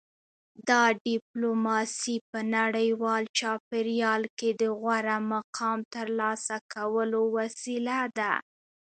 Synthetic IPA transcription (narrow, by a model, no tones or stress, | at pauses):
d̪ɑɖɪplomɑsipənaɽəjwɑlt͡ʃɑpeɾjɑlked̪əɣwaɾamaqʰɑmt̪əɾlɑsakawəlowasilad̪a̰